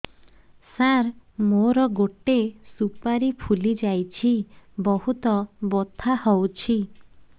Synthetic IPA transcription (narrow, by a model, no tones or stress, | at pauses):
saɾmoɾɔɡoʈesupaɾipʰulid͡ʒajt͡ʃʰibɔhut̪ɔbot̪ʰahɔwt͡ʃʰi